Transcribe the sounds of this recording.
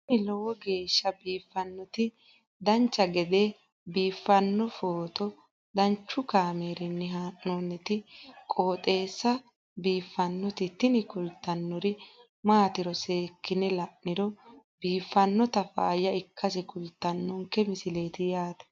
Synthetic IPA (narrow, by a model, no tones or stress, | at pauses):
nɪlɔwɔɡe̞ːʃːɐbiːfːɐnːɔt̪ɪ | d̪ɐnt͡ʃːɐɡɛd̪e | biːfːɐnːɔfoːt̪ɔ | d̪ɐnt͡ʃːʊkaːmeːɾɪnːɛɦaːʔːonːɛt̪ɪkʼo̞ːt̪ʼe̞ːsːɐ | biːfːɐnːɔt̪ɪt̪ɪnɪkʊlt̪ːɐnːɔɾɪ | maːt̪ɪɾɔse̞ːkːɪnɛlɐʔːɪɾɔ | biːfːɐnːɔt̪ɐfa̰ːjɐɪkːɐsɛkʊlt̪ːɐnːɔŋkːɛmɪsɪle̞ːt̪ɪjaːt̪ɛ̥